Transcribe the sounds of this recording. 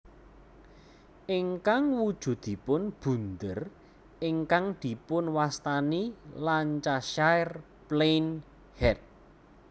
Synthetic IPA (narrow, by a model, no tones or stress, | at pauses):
ʔɪŋkaŋwud̥ʒ̥ṳd̪̥i̤pʊnb̥ṳnd̪ər | ɪŋkaŋd̪̥i̤pʊnwast̪anilant͡ʃaʃajr | plejn | hɛt̪̚